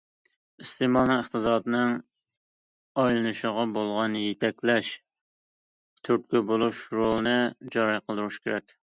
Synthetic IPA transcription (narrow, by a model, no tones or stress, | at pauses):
ist̪ʰemɑlˠnɨŋəχt̪ɨzɑːd̪ɨnɨŋ | ɑjlˠɨnɨʃəʁɑbolˠʁɑnjet̪ʰɛkʲlɛʃ | t̪ʰyɾt̪̚kʲybolˠuʃɾolˠɨnɨd͡ʒɑɾɑjqʰəlˠd̪uɾuʃkʲʰeɾɛkʲ